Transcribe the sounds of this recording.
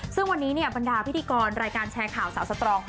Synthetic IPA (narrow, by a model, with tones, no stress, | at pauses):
sɯ˥˩ŋwa˧nːiː˦˥ni˥˩əba˧ndaː˧pʰt̪ʰiː˧kɔː˧nɾaː˧jkaː˧nt͡ɕʰɛː˧kʰaː˨˩wsaː˩˦wsa˧t̪ɾɔː˧ŋ